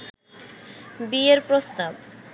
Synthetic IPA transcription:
bieɾpɾost̪ab

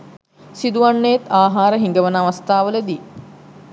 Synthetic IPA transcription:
sid̪uʋaɳːəjet̪aːɦaːɾəɦiŋɡəʋənaːʋast̪aːʋələd̪i

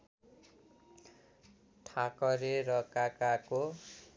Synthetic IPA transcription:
ʈʰakʌɾeɾʌkakako

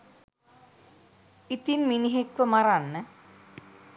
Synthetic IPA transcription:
it̪inminiɦekʋəmaɾanːə

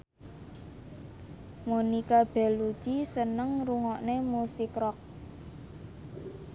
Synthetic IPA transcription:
monikab̥ɛ̤lud̥ʒ̥isənəŋruŋɔʔnemusikɾɔk̚

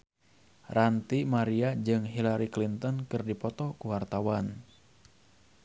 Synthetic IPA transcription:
rant̪imaɾiad͡ʒɨŋɦilaɾiklint̪ɔnkɨrdipɔt̪ɔkuwart̪awan

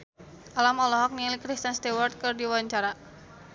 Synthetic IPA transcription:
ʔalamɔlɔɦɔk̚nilikɾist̪ənst̪iwɔrt̪̚kɨrdiwaɲt͡ʃaɾa

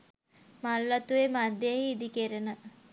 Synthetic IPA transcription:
malːat̪uʋemad̪ːeeiːd̪ikeɾenə

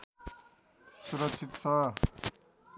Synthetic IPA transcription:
suɾʌk̚t͡sʰit̪t͡sʰʌ

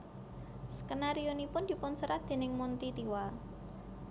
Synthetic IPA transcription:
səkənaɾionipʊnd̪̥i̤pʊnsəɾad̪̥e̤nɪŋmunt̪it̪iwa

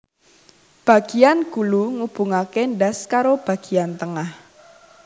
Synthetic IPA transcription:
b̥ä̤ɡ̥i̤janɡ̥uluŋub̥uŋakeɳɖaskaɾob̥ä̤ɡ̥i̤ant̪əŋah

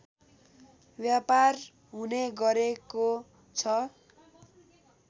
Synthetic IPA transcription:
bjapar | ɦuneɡʌɾeko | t͡sʰʌ

